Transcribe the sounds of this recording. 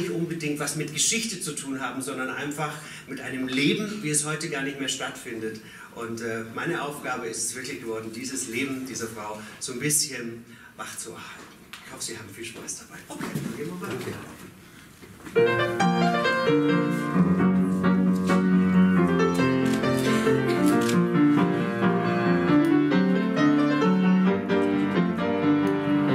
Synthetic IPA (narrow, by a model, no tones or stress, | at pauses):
ɪçtʔʊnbədɪŋk̚tv̥asmɪtɡ̥əʃɪçtət͡sutʰuːnɦaːbm̩zɔndɐnʔa̰ɪnfaχ | mɪtʔaɪnəmleːbm̩viːɛshɔʏtəɡaːɐnɪçtmeːɐʃtatfɪndət | ʔʊntʔɛːmaɪnəʔaʊfɡ̥aːbəɪstɛ̥sv̥ɪɐklɪçɡ̥əvɔɐdn̩d̥iːzəsleːbm̩d̥iːzɐfʁ̥aʊz̥oːnbɪsçən | vaχt͡suha̰lt̩ɪçhɔfəz̥iːhaːbm̩fiːlʃpa̰ɪsd̥ab̥aɪʔokʰeːdvɪniːɐmamaːlɪla̰ʊfn̩